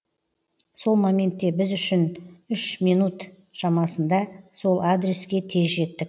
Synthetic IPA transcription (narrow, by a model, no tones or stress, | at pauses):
so̞lˠmamʲe̞nt̪ːe̞bɪzʏʃɪnʏʃmijnut̪ | ʃɑmɑsənd̪ɑso̞lˠad̪ɾe̞skʲe̞t̪ʰe̞zʒe̞t̪ːɪk̚